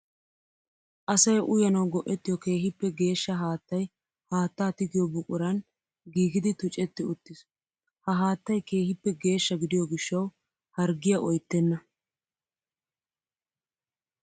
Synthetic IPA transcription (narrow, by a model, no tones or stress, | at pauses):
ʔɐsɐjʔʊjɐnɐwɡɔʔɛt̪ːɪjɔke̞ːɦɪpːɛɡe̞ːʃːɐɦaːt̪ːɐj | haːt̪ːaːt̪ɪɡɪjɔbʊkʼʊɾɐn | ɡiːɡɪd̪ɪt̪ʊt͡ʃʼːɛt̪ːɪʊt̪ːɪs | hɐɦaːt̪ːɐjke̞ːhɪpːɛɡe̞ːʃːɐɡɪd̪ɪjɔɡɪʃːɐw | hɐɾɡɪjɐʔɔjt̪ːɛnːɐ